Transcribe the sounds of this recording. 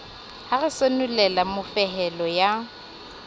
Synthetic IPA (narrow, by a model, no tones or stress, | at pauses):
haɣɪsonulɛlamʊfɛɦɛlɔja